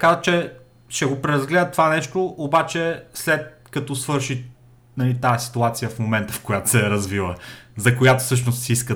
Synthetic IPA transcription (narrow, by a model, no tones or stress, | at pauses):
kazət̪t͡ʃɛ | ʃɛɡopɾɛɾɐzɡlɛd̪ət̪ovanɛʃt̪oʔobat͡ʃɛslɛt̪̚kɐt̪ɔsvɤɾʃi | nɐlit̪aɛsi̥t̪uat̪sijəfmomɛnt̪əfkojat̪o̥sɛɾɐzvilˠəzɐkojat̪o̥fsɤʃ̬nost̪siiskə